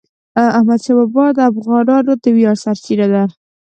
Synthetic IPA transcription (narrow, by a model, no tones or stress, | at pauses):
ahmad̪ʃabɑbɑd̪əafɣɑɾɑnod̪əwjɑɽsaɾt͡ʃiɾad̪aɾ